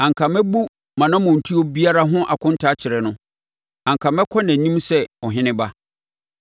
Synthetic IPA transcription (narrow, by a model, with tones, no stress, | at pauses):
ã˨ŋ˨kʰã˨mɛ˦bu˦ | mã˨nã˦mʊ̃˨n̩˨tʰu˦ɔ˦bi˦a˦ɾa˦ɦʊ̃˦ʔa̰˨kʰʊ̃˦n̩˦tʰa˦t͡ɕʰɪ˨ɾɛ˨nʊ̃˦ | ã˨ŋkʰã˨mɛ˦kʰɔ˦næ̃˨nĩ˦msɛ˦ɔ˨ɦɪ̃˦nɪ̃˦ba˦